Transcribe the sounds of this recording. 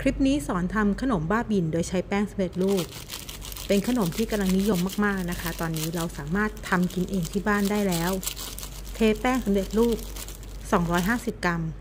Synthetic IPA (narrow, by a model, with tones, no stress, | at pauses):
kʰɾi˦˥p̚niː˦˥sɔː˩˦nt̪ʰa˧mkʰa˧no˩˦mbaː˥˩bi˧ndoː˧jt͡ɕʰa˦˥jpɛː˥˩ŋsa˨˩˦mɾe˨˩t̪̚luː˥˩p̚ː | e˧nkʰa˧no˨˩˦mt̪ʰiː˥˩ka˧mla˧ŋni˦˥jo˧mːaː˥˩k̚maː˥˩k̚na˦˥kʰa˦˥t̪ɔː˧nːiː˦˥ɾa˧wsaː˩˦maː˥˩t̪ʰːa˧mki˧nʔeː˧ŋt̪ʰiː˥˩baː˥˩ndaː˥˩jlɛː˦˥w | t̪ʰeː˧pɛː˥˩ŋsa˩˦mɾe˨˩t̪̚luː˥˩p̚ | sɔː˩˦ŋɾɔː˦˥jɦaː˥˩si˨˩p̚ka˧m